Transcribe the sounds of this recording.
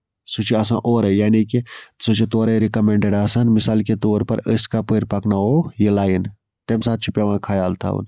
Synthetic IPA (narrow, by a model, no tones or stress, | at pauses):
sut͡ʃʰiɐsãːʔoːɾɐjaːnikisut͡ʃʰit̪oːɾeɾikɐmẽɳɖeɖaːsanmɪsaːlket̪oːɾpɐ̰ɾəskapəːɾpɐknaoːjelaːjin | t̪emsaːt̪̚t͡ʃʰupjaʋãːkʰɐjaːlt̪ʰa̰ːṵn